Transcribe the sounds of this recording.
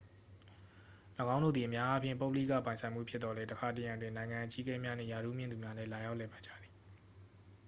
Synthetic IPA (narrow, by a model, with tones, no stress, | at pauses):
ləɡã˦ʊ̃ndo̰˦˨d̪i˨ʔəmja˦ʔa˦pʰjɪ̰̃˨po˦ʊpəlḭ˦˨kä̰˦˨pã˨ɪ̃sʰã˨ɪ̃m̥ṵ˦˨pʰjɪ˦t̪t̪ɔ˨lɛ˦təkʰa˨t̬əjã˨ndwɪ̃˨nã˨ɪ̃ŋã˨ʔət͡ɕḭ˦kɛ˦mja˦nɛ̰̃˦˨ja˨ɾṵ˦˨mjɪ̃˦˨d̪u˨mja˦nɛ̰˦˨la˨ja˦ʊʔlɛ˦˨pã˨ɪ̃d͡ʑa̰˦˨d̪ði̥˨